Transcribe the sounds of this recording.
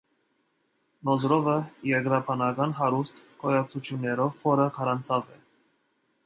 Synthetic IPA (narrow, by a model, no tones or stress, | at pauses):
nɔzɾɔvəjɛɾɡɾɑpʰɑnɑɡɑnɦɑɾust̪ | kʰɔjɑt͡sʰut͡ʃʰjunːɛɾɔvvɔɾəkʰɑɾɑnt͡sʰɑvɛ